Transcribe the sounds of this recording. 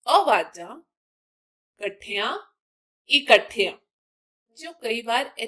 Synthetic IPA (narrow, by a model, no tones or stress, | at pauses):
ɔʋaːd͡ʒã | kɐʈʰijã | iːkɐʈʰijãː | d͡ʒõːkɐibaːɾɛ